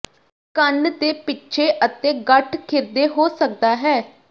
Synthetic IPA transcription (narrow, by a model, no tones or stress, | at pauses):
kənd̪eːpɪtːʃʰeːʔət̪ẽːɡəʈʰkʰɪɾd̪eːɦoːsək̚d̪aːɦɛː